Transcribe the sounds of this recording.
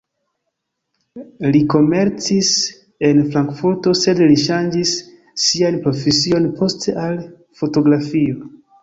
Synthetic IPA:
liko̞me̞ɾt͡sis | e̞nfɾaŋkfuɾto̞se̞dliʃand͡ʒisː | ianpɾo̞fesio̞npo̞stʰe̞ʔal | fo̞to̞ɡɾafio̞

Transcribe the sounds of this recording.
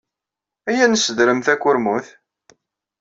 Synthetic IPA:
æjænəsːəd̪ɾəmθækʷːʊɾmuθ

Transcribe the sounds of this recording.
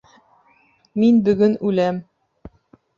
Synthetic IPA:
minbɵ̆ɡɵnʉlæm

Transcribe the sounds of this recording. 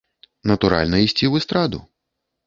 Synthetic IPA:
nɐt̪uɾa̰lʲnɐisʲt͡sʲivɨst̪ɾad̪ṵ

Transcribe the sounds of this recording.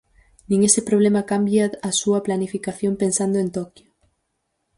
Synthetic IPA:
nĩŋesepɾoβlemɐkambjaːsuɐplanifikaθjompensand̪oent̪okjo

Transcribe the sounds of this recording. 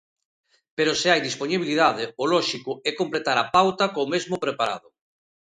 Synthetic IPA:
peɾoseajd̪isponiβiliðaðɪolɔʃikʊɛkomplet̪aɾapawt̪akomezmʊpɾepaɾa̰ðʊ

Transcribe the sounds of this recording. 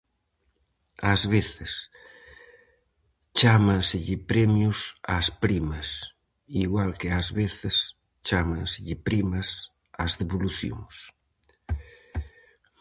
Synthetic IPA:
azβeθes | t͡ʃamãnsɪʎɪpɾemjusa̰spɾimas | iɣwalkeazβeθes | t͡ʃamãnsɪʎipɾimas | azðeβoluθjo̰ŋs

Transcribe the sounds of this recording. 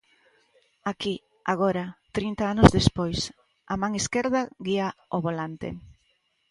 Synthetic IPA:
aki | aɣ̞oɾat̪ɾint̪aanozðespojs | amaŋeskeɾðaɣiaoβolant̪ḛ

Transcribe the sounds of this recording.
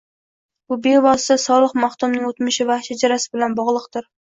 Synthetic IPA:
bʊbebɒsɪ̥t̪asɒlˠɨqmaht̪ʊmnɪŋot̪mɪʃɪvaʃad͡ʒaɾasɪbɪlanbɒʁlˠɨqt̪ɪɾ

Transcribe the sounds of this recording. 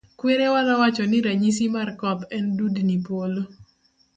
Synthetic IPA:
kweɾewanawat͡ʃɔnɪɾaɲis̬imarkɔt̪ɛndudnipolo

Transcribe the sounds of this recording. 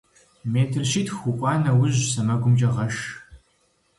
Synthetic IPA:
meːtʰɨrʃiːtʰxʷukʷʼɑːnɐwʊʑsɐmɐɡʷʊmt͡ʃʼɐʁɐʃ

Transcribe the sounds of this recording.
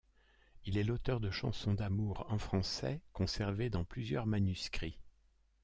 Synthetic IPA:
ilɛlot̪œʁd̪əʃɑ̰̃sɔ̃d̪amuʁɑ̃fχɑ̃sɛ̰kɔ̃sɛʁved̪ɑ̃plyzjœ̰ʁmanyskχi

